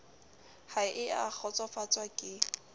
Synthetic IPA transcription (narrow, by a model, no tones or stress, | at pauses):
haɪʔɪak͡xʰɔt͡sʼafat͡sʼwakʼɪ